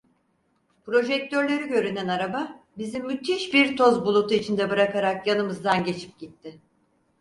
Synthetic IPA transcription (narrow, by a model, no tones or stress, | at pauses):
pɾo̞ʒɛc̚t̪ʰøɾlʲe̞ɾiɟø̞ɾynænaɾababizimːyt̪ʰiʃbiɾt̪ʰo̞zbulˠut̪uit͡ʃʰind̪ɛbɯɾakaɾakjanɯmɯzd̪anɟe̞t͡ʃʰi̥p̚ɟit̪ʰːɪ